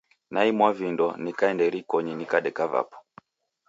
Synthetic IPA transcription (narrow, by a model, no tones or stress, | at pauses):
naimwavindɔnikaɛndɛɾikɔɲinikaɗɛkava̰pɔ̥